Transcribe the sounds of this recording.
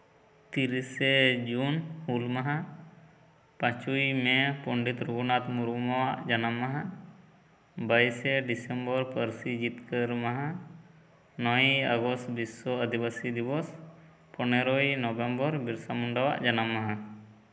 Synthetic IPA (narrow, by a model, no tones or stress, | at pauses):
t̪iɾised͡ʒunhulmaɦã | pãt͡ʃujmɛpɔɳɖit̪ɾuɡunat̪muɾumawaʔd͡ʒanamːaɦã | bajsɛɖisembɔɾpəɾsid͡ʒit̪kəɾmaɦã | nɔjəɡɔst̪bisɔəd̪ibasid̪ibɔs | pɔneɾɔjnɔbembɔɾbiɾsamuɳɖawa̰ʔd͡ʒanamːaɦã